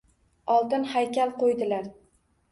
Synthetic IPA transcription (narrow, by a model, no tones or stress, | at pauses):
ɒlˠt̪ɪnhajkʲalˠqojd̪ɪlaɾ